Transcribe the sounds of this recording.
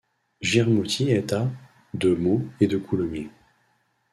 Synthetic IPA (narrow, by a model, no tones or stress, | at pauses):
ʒiʁmut̪ʲʰiɛt̪a | d̪əmoed̪əkʰulɔmje